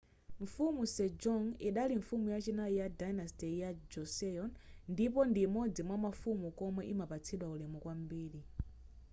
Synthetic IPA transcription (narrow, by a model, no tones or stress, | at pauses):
ɱ̩fumusɛd͡ʒɔŋiɗaliɱfumujat͡ʃinajijadajnastɛjad͡ʒɔsɛjɔnndip̬ɔndimɔd͡zimwamafumukɔmɛʔimapat͡sʰiɗwaulɛmɔkwambiːɗi